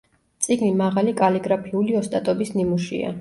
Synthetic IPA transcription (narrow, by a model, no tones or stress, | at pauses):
t̪sʼiɡnimaʁalikʼaliɡɾapʰiuliɔst̪ʼat̪ʼɔbisnimuʃḭa̰